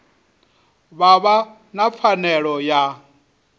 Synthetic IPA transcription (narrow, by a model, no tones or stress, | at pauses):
βaβa | nap̪fʰanɛɺɔja